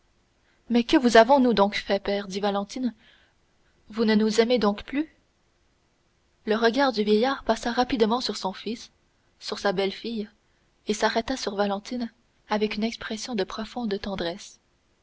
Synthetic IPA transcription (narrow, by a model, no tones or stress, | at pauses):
mɛkəvuzavɔ̃nud̪ɔ̃kfɛpɛːʁd̪ivalɑ̃t̪in | vunənuzɛmed̪ɔ̃kply | ləʁəɡaːʁd̪yvjɛjaːʁpasaʁapid̪mɑ̃syʁsɔ̃fisː | yʁsabɛlfij | esaʁɛt̪asyʁvalɑ̃t̪in | avɛkynɛkspχɛsjɔ̃d̪əpχɔfɔ̃d̪t̪ɑ̃d̪ʁɛs